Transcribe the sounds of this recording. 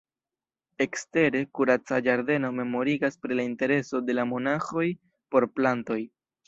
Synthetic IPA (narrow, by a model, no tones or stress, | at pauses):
e̞kste̞ɾe̞kuɾat͡sad͡ʒaɾde̞no̞me̞mo̞ɾiɡaspɾilainte̞ɾe̞so̞de̞lamo̞naxo̞j | po̞ɾplanto̞j